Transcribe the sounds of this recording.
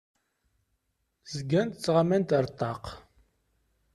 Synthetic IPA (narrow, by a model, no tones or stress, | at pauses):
zəɡːænt̪t͡sːʁamænt̪əɾˤt̪ˤːɑq